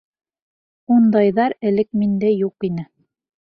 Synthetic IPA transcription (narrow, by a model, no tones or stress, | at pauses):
und̪ɑjðɑɾɘ̆lɘk̚mind̪æjuqinɘ